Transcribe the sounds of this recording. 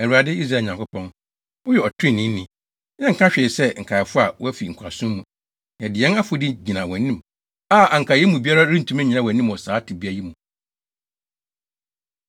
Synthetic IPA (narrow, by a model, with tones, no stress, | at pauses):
æ˨u˨a˨dɪ˦i˦s̬ɾa˦˨ɲã˨ŋkʰʊ˦pʰɔ̃˦n | ʊ˦ɥɛ˨ɔ˨tʰɪ̃˦˨nːĩ˦n̩˦nĩ˦ | jɛ̃˦ŋ̩˨kʰã˦ɕᶣɛ˨sɛ˦ŋ̩˨kʰa˨fʊ˦a˨wɔ˦æ˦fi˨ŋ̩˨kʰa˨sũ˦mː˦ũ˨ | jɛ̃˨dɪ˨jɛ˦na˦fo˨dɪ˦d͡ʑi˨nã˨wɛ̃˨nːĩ˦m | a˦˨a˨ŋ˨kʰa˨jɛ˦mũ˨bi˦a˦ɾa˦ɾĩ˦n˨tʰũ˦mɛ̃˦ɲĩ˨na˦˨wɛ̃˨nː˦ĩ˦mɔ˨saː˨˦tʰɪ˨bi˦a˨˦ji˦mũ˨